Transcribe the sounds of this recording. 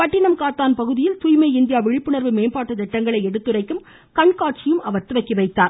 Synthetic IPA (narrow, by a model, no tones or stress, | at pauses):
pɐʈːɪɳɐmkaːt̪ːaːnpɐɣɯðɪjɪlt̪ʊjmɐɪɪnd̪ɪjaːʋɪɻɪpːɯɳɐɾʋɯmeːnpaːʈːɐt̪ɛʈːɐŋɡɐɭɐɪɛɽɯt̪ːɯrɐɪkːɯm | kɐɳkaːʈ̚t͡ʃɪjɯmɐʋɐɾt̪ɯʋɐɪkːɪʋɐɪt̪ːaːɾ